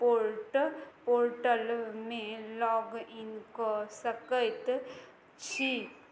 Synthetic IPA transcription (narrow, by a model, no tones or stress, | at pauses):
poɾʈpoɾʈəlmẽlɔːɡinkosəkəjt̪ | t͡ʃʰi